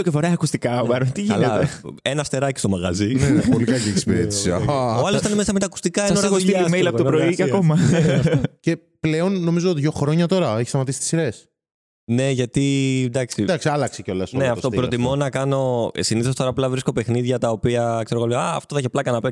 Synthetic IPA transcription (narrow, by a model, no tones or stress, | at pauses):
ocefoɾɐjɐkust̪ikɐvɐɾont̪iʝiɐlɐeenɐst̪e̞ɾɐcist̪o̞mɐɣɐ̰zinepolikɐcieksi̥piɾet̪i̥seoɐlost̪ɐnemesɐmet̪ɐːku̥st̪ikɐenoɾɐsmelɐpt̪upɾoiiɐkomɐ | ce | ple̞o̞nːo̞mizo̞ðʝo̞xɾo̞ɲɐt̪o̞ɾɐeçi̥st̪ɐmɐt̪isi̥t̪i̥siɾe̞s | ne̞ʝɐt̪id̪ɐksid̪ɐksiɐlɐkseceo̞lɐsnneɐftst̪opɾot̪imo̞nɐkɐno̞siniθost̪o̞ɾɐːplɐvɾiskope̞xniðʝɐt̪ɐopiɐkse̞ɾoɣolɐːft̪oθçeplɐkɐnɐpen